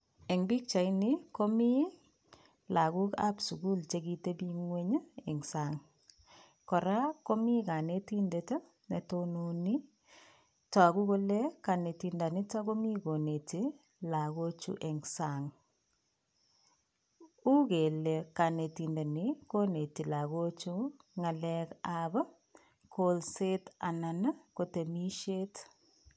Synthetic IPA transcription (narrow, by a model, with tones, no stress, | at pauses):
ɛ˨ŋbi˦k̚t͡ʃa˨i˦ni˦ko˦mi˦ | la˨ku˦ka̰˦psu˨ɡu˦lt͡ʃe˨ɡi˦te˦bi˦ŋwe˦ɲə˦ɛ˨ŋsa˨ŋ | kɔ˨ɾa˦ko˦mi˦ka˨ne˦ti˦nde˨te˦ | ne˨tono˨ni˦ | ta˨ku˦ko˦le˦ka˨ne˨ti˨nda˨ni˦ta˦ko˦mi˦ko˨ne˨te˨ | la˨ɣo˦t͡ʃṵ˦ʔɛ˨ŋsaŋ | u˦ɣe˨le˨ka˨ne˨ti˨nde˨ni˨ko˦ne˨ti˨la˨ɣo˦t͡ʃu˦ŋa˨lɛkaba˦ | kʰolse˦ta˨na˨nə˦ko˨te˨mi˦ʃe˦t